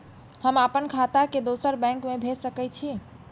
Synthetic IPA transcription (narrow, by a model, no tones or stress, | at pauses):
həməpənkʰat̪aked̪osəɾbɛ̃ŋkmebʱesəkɛt͡ʃʰi